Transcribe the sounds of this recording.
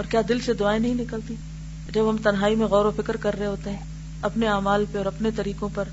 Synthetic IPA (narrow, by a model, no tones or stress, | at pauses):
ɔːɾkjaːd̪ɪlsed̪ʊaːenɐɦĩnɪkəlt̪i | d͡ʒɐbɦɐmt̪ɐnɦaːimẽɣɔːɾofɪkɾkɐɾːɐɦeɦoːt̪eɦɛ̃ː | ɐpneaːmaːlpeɔːɾɐpnet̪ɐɾiːkõpɐɾ